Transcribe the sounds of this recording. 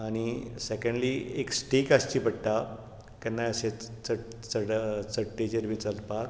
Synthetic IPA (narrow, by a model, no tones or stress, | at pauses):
aɽ̃isekə̃ɳɖlieksʈikast͡ɕiːpəɽt̪a | kɛnːajəɕet͡sə | t͡səɽt͡səʈʈːet͡ɕeɾbʱit͡səlpak